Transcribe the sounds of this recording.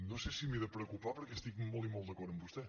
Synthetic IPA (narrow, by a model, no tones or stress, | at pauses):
nõwsesimiðəpɾəkupapəɾkɛst̪ikmɔlˠtimɔlˠt̪d̪əkɔɾəmbust̪ɛ